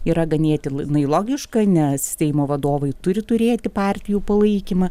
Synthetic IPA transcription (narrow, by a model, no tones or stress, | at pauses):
iːɾɐɡɐnʲeːt̪ʲɪnɐɪlˠoːɡʲɪʃkɐnʲɛssʲsʲɛɪmoːʋɐd̪oːʋɐɪt̪ʊɾʲɪt̪ʊɾʲeːt̪ʲɪpɑːrʲt̪ʲɪjuːpɐlˠɐɪkʲimɐ